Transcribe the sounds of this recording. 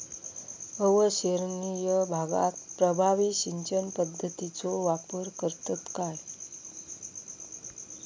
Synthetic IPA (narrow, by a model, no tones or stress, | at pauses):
əʋəɕeɾnijəbʱaɡa̰t̪pɾəbʱaʋiɕiɲt͡ɕənpəd̪ʱːət̪it͡soʋapəɾkəɾt̪ət̪kaj